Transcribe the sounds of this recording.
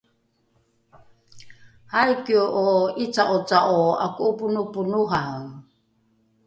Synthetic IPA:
hajkioʔoit͡saʔot͡saʔoa̰kuʔupunupunuɦaw

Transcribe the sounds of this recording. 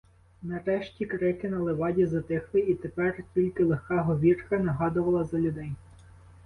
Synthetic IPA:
nɐɾɛʃtʲikɾɪkɪnɐlˠeʋɑdʲizɐt̪ɪxlˠɪit̪epɛrtʲilʲkɪlˠexkɑɦɔʋʲirkɐnɐɦɑd̪ʊʋɐlˠɐzɐlʲʊd̪ɛj

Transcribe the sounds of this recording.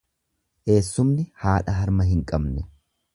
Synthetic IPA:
ʔe̞ːsːʊmnɪhaːᶑɐɦɐɾmɐɦɪŋkʼɐbnɛ

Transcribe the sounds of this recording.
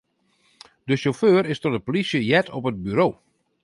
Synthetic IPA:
dəʃoføːɾɪstɔtəpolisjəjɛtʰɔpət̚byɾoː

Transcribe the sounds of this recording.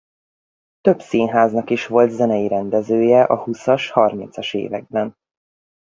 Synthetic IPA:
t̪øbsiːnɦaːznɒkiʃʋo̞lt̪zɛnɛjiɾɛnd̪ɛzøːjɛʔɒhusɒʃhɒrmint̪sɒʃḛːvɛ̰ɡ̚bɛn

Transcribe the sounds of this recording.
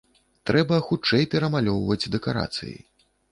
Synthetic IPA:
t̪ɾɛbɐxut͡ʂɛjpʲɛɾɐmalʲɔwvɐd͡zʲd̪ɛkaɾa̰t̪sɨ̰jḭ

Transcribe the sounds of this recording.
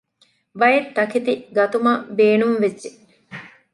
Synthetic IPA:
ʋɐjet̪ːɐkit̪iɡɐt̪umabeːnumʋed͡ʒd͡ʒe

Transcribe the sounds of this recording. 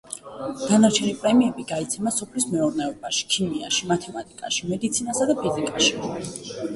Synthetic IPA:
d̪̥anaɾt͡ʃʰɛnipʼɾɛmiɛbiɡait̪sʰɛmasɔpʰlismɛuɾnɛɔbaʃi̥kʰimia̰ʃimat̪ʰɛmat̪ʼikʼa̰ʃimɛd̪it̪sʰinasad̪apʰizikʼaʃi

